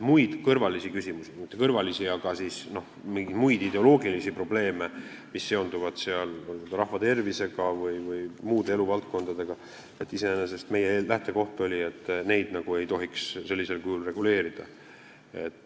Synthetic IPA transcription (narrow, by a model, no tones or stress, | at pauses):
mujd̪̥kɤrvɑlisikysʲimusimit̪ːˑekɤrvɑlisiɑɡ̥ɑsisno̞h | miŋɡid̪mujd̪̥id̪e̞o̞lo̞ːɡilisipro̞b̥le̞ːme̞ | misːe̞o̞nd̪uvɑd̪̥seɑlolot̪ɑɾɑhvɑt̪e̞rvise̞ɡ̥ɑvɯjvɯjmuːd̪ee̞luvɑlt̪̚ko̞nd̪̥ɑd̪e̞ɡ̥ɑ | et̪ːˑise̞enes̬e̞st̪me̞jelæht̪e̞ko̞ht̪o̞lʲie̞t̪ːne̞jd̪̥nɑɡ̥ue̞jt̪o̞ɦiksse̞lʲːise̞lkujulre̞ɡ̥ule̞ːɾid̪̥ɑ̰ | e̞̰t̪ːˑ